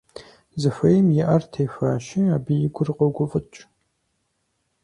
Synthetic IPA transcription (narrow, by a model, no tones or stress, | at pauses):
zɨfɐjmjɪʔɐrtʰeːfaːʃɪaːbijɪɡʷʊrqʼɐɡʷʊfʼɨt͡ʃʼ